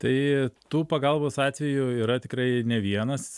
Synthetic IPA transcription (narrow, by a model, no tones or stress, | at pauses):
t̪ɐɪt̪uːpɐɡɐlˠboːsɑːt̪ʲʋʲɛjʊiːɾɐt̪ʲɪkrɐɪnʲɛʋʲiɛnɐs